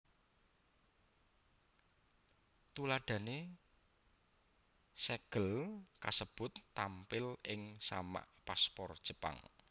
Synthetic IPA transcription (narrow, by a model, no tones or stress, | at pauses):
t̪ulaɖ̥ä̤ne | sɛɡ̥əlkasəb̥ʊ̤t̪ːampɪlɪŋsa̰ma̰ʔpaspɔrd̥ʒ̥ə̤pa̰ŋ